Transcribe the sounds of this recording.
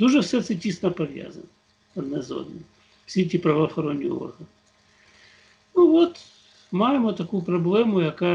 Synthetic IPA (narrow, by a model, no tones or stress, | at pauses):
d̪̥uʒɛfsɛt̪sɛtʲisnɐpɐʋʲja̰zɐ̰nɐ | ɐd̪nɛzo̰d̪ni | fsʲietʲipɾɐʋɐɐxɐɾonʲːij̰ɔ̰rɦɐnɪ | nuʋot̪ | mɑjɪmɔt̪ɐkujpɾɐblˠɛmʊjɐkɑ